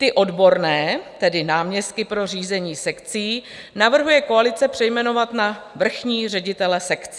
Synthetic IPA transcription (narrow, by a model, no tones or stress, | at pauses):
t̪ɪʔo̞dbo̞ɾnɛːt̪ɛdɪnaːmɲɛst̪̚kɪpɾo̞r̝iːzɛɲiːsɛkt͡siː | navr̩ɦujɛko̞alɪt͡sɛpr̝̥ɛjmɛno̞vat̪navr̩xɲiːrɛɟɪt̪ɛlɛsɛkt͡sː